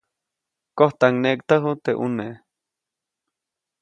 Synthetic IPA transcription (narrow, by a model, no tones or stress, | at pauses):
koht̪aŋnekt̪əɦut̪eʔṵne